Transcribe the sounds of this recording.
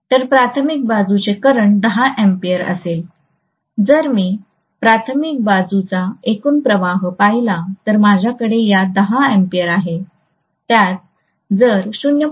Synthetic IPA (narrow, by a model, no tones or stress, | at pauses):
t̪əɾpɾat̪ʰəmik̚bad͡zut͡sekəɾəɳd̪əɦaʔẽmpijəɾə̰sel | d͡zəɾmiː | pɾat̪ʰəmik̚bad͡zut͡saekuːnpɾəʋaɦpajlat̪əɾmad͡ʑʱjakəɽejad̪əɦaempijəɾaɦe | t̪jat̪̚ | d͡zəɾsunjə